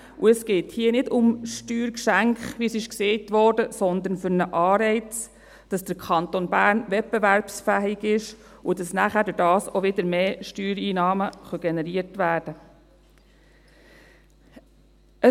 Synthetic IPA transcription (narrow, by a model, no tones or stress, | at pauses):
uəsɡ̥eːthiənɪdʊmʃtyːɾkʃæŋkχʋisɪʃkseɪtʋɔːɾdəsɔnd̪ənfʏɾnəʔɑːɾɛɪt͡s | d̥ɑsd̥əɾkʰɑnt̪onbæːɾnʋɛp̚beʋæɾpsfæːɪɡɪʃudɑsnæχæːɾdʉɾdɑːsoʋɪd̪əɾmeːʃtyːɾiːnɑːməχœɡ̥ɛnɛɾiəɾtʋæːɾd̥ə | ʔə